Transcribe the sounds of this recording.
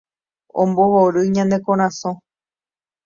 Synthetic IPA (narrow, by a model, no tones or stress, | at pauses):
õ̰mboɦoɾɨɲãnd̪e̞kõɾ̃ãsõ